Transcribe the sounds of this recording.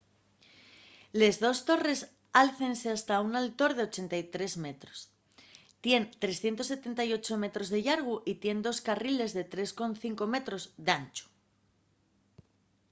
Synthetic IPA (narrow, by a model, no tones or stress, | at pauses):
le̞zðo̞st̪o̞re̞s | alθe̞nse̞ast̪aunalt̪o̞ɾð̞e̞o̞t͡ʃe̞nt̪ajt̪ɾe̞zme̞t̪ɾo̞̥s | t̪je̞nt̪ɾe̞sθje̞nt̪ose̞t̪e̞nt̪ajo̞t͡ʃo̞me̞t̪ɾo̞zðe̞ʎaɾɣ̞uʔit̪je̞nd̪o̞skarile̞zðe̞t̪ɾe̞sko̞nθiŋko̞me̞t̪ɾo̞zðeant͡ʃu̥